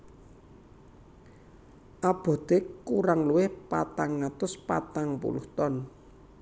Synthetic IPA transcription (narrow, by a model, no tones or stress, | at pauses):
ʔab̥ɔ̤d̪̥euɾaŋluwɪhpa̰t̪aŋːat̪ʊspat̪aŋpṵlṵht̪ɔn